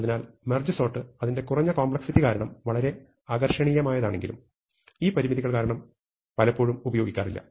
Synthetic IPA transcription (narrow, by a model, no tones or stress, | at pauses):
ɐðinaːlmerd͡ʑɐso̞ːʈːɨɐðinde̞kurɐɲːɐkoːmbɭɐksitːikaːɾɐɳɐmʋɐɭɐɾe̞ | aːɡɐrʂɐɳijɐmaːjɐðaːɳe̞ŋɡilṵm | iːpɐɾimiðiɣɐɭkaːɾɐɳɐm | pɐlɐpːo̞ːɻumubɐjoːɡikʲːaːrḭlːɐ̰